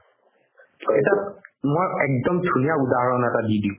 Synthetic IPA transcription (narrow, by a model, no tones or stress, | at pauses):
etamojɛk̚dɔmdʱunijaudaɦɔɹɔnɛtadidi